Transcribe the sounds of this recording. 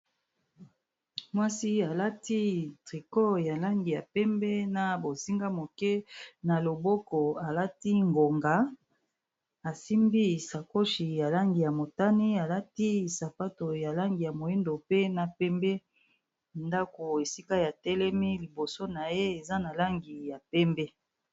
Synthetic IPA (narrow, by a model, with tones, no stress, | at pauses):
mwa˦si˦a˨la˦ti˦tʁi˨ko˦ja˨la˦ŋɡi˨ja˨pɛ˦mbɛ˦na˨bo˨si˦ŋɡa˦mo˨kɛ˦na˨lo˨bo˦kɔ˨a˨la˦ti˦ŋɡo˨ŋɡa˨ | a˨si˦mbi˦sa˨ko˦ʃi˨ja˨la˦ŋɡi˨ja˨mo˨ta˦ni˦a˨la˦ti˦sa˨pa˦to˨ja˨la˦ŋɡi˨ja˨mo˨e˦ndo˨pe˦na˨pɛ˦mbɛ˦ | nda˦ko˨e˨si˦ka˦ja˨tɛ˦lɛ˦mi˦li˨bo˨so˦na˨je˦e˨za˦na˨la˦ŋɡi˨ja˨pɛ˦mbɛ˦